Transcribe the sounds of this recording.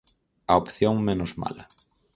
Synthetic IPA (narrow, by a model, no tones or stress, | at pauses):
ɐopθjoŋmenʊzma̰lɐ